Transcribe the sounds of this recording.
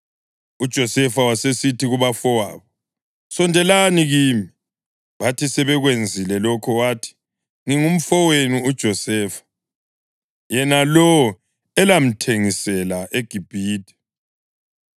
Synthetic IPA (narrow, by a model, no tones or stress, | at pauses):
ud̥ʒ̥ʱɔsɛfawasesitʰiɣuβafɔwa̰ːβɔ | sɔndʱɛlaniɣiːmi | βatisɛβɛɣwend͡zʱilɛlɔkʰɔwatʰi̥ | ŋiŋum̩fɔwenuud̥ʒ̥ʱɔsɛːfḁ | jɛnalɔɔ | ɛlam̩tʰeŋisɛlaʔeɡ̥ʱib̥ʱiːdɛ̥